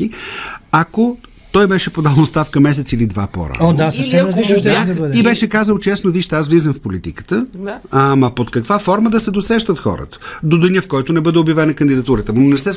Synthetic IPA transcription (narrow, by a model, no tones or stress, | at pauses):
iako | t̪ɔjbɛʃɛpod̪alˠnost̪afkəmɛs̬ɛt̪silid̪va̰pɔ̰ɾə̰od̪asəfsɛmɾəzliʃt̪ɛd̪ɐbəd̪ɛibɛʃɛkazəlˠt͡ʃɛsnoviʃt̪ɛasvlizəmfpolit̪ḭkə̥t̪əamɐpot̪kɐkvafɔɾməd̪ɐsɛd̪osɛʃt̪ət̪xɔ̰ɾə̰t̪ə̥d̪od̪əniəfkɔjt̪onɛbɤd̪ɛobjɐvɛnɐkənd̪id̪ɐt̪uɾət̪əmnɛsɛ